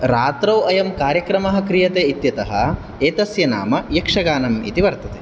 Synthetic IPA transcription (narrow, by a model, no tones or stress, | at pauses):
ɾaːt̪ɾɐwɐjɐmkaːɾjɐkɾɐmɐɦɐ̆kɾijɐt̪eːit̪jɐt̪ɐɦɐ | eːt̪ɐsjɐna̰ːmɐjɐkʂɐɡaːnɐmḭt̪iʋɐɾt̪ɐt̪e